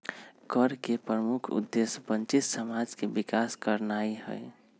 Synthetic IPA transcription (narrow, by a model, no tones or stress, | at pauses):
kəɾkepɾəmukʰṵd̪ːesbənt͡ʃit̪səmad͡ʒkebikaskəɾnaiɦə̰e